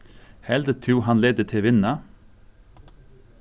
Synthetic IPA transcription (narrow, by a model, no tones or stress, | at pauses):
hɛld̪ət̪ʰɾuːhɑnleːd̪ət̪ʰɪʋɪnɑ